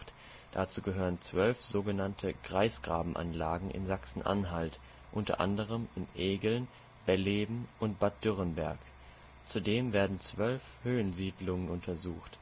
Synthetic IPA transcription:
t | d̥at͡suːɡəɦøːʁənt͡sv̥œlfz̥oːɡənantʰəɡ̥ʁaɪsɡ̥ʁa̰ːbm̩ʔa̰nlaːɡŋ̩ʔɪ̰nzaksn̩ʔa̰nɦalt | ʔʊntɐ̰ʔa̰ndəʁ̞əmɪnʔeːɡl̩n | b̥ɛleːbm̩ʔʊnt̚b̥at̚d̥ʏʁənbɛɐk | t͡sudeːmveːɐdn̩t͡sv̥œlfhøːənziːdlʊŋənʊntʰɐzuːxt

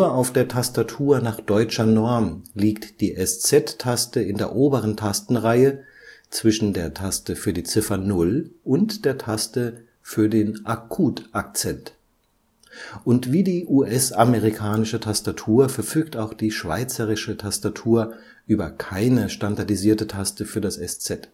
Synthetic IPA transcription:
ɐaʊfd̥eːɐtʰastatʰuːɐnaːχd̥ɔʏt͡ʃɐnɔɐmliːktd̥iːʔɛst͡sɛtʰːastəɪndeːɐʔoːbəʁ̞əntʰastn̩ʁaɪə | t͡sv̥ɪʃn̩deːɐtʰastəfyːɐdiːt͡sɪfɐnʊlʔʊntd̥eːɐtʰastə | fyːɐdeːnʔakʰuːtʔak̚t͡sɛnt | ʔʊntv̥iːdiːʔuːʔɛsameʁikʰaːnɪʃətʰastatʰuːɐfɛɐfyːktaʊxd̥iːʃv̥a̰ɪt͡səʁɪʃətʰastatʰuːɐ | ʔyːbɐkʰaɪnəʃtandaɐdiziːɐtətʰastəfyːɐdasɛst͡sɛt

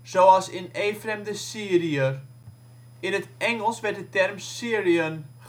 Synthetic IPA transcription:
z̥owɑlˠsɪneːfrɛmdəsiəɾiə | ɪnətɛŋəlˠsʋɛt̚dətɛrmsiəɾiən

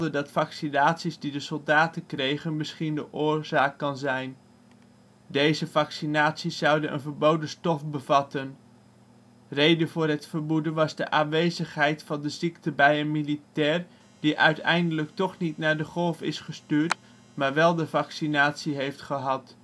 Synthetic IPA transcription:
dədɑtfɑksinaːtsizdidəsɔlˠdaːtənkrejχənməsχindəʔʊːɹz̥aːkːɑnzɛjn | dejzəvɑksinaːtsisːɑwdənʔə̰nvəɹbowdəstɔfbəvɑtən | rejdənvʊːɹɦətfəɹbudənʋɑzdə̰ʔaːnʋejzəχɦɛjtfɑndəziktəbɛjənmilitɛːr | d̥iʔœɥtɛ̰jndələktɔχnitnaːɹdəχɔlˠfɪsχəstyːɹt | maːɹʋɛlˠdəvɑksinaːtsiɦejftχəɦɑt

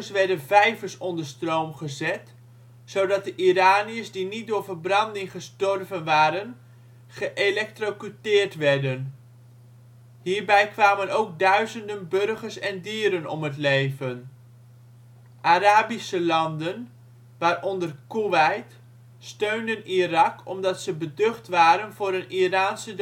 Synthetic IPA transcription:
sʋɛɹdənvɛjvəɹsɔndəɹstrowmχəzɛt | sowdɑt̚dəʔiraːniəsdinit̚dʊːɹvəɹbrɑndɪŋχəstɔrvənʋaːɾən | χəʔelɛk̚trokytɪːɹtʋɛɹdən | ɦiːɹbɛjkʋaːmənowɡ̚dœɥzəndənbørχəɹsɛndiːɾənɔ̰mɦətlejvən | ʔaɾaːbisəlɑndən | ʋaːrɔndərkuʋɛjt | støɥndənirɑkʰɔmdɑtsəbədɵχtʋaːɾənvʊːɾənʔiraːnsə

